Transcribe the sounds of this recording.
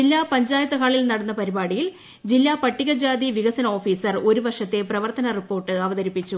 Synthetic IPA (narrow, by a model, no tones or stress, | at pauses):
d͡ʑilːaːpɐɲd͡ʑaːjɐt̪ːɐkaːɭilnɐɽɐnːɐpɐɾibaːɽijil | d͡ʑilːaːpɐʈːiɣɐd͡ʑaːd̪iʋiɣɐsɐnɐo̞ːfiːsɐro̞ɾuʋɐrʂɐt̪ːe̞prɐʋɐrt̪ɐnɐripːo̞ːrʈːɨɐʋɐðɐɾipːit͡ɕːu